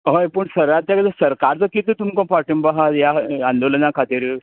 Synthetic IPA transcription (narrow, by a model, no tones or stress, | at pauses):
ɦəjpəɳsəɾat̪ːjakad͡zəsəɾkaɾt͡s̪əkit̪ət̪umkɔ̃paʈəmbaɦat̪jaand̪olənakʰat̪iːɾ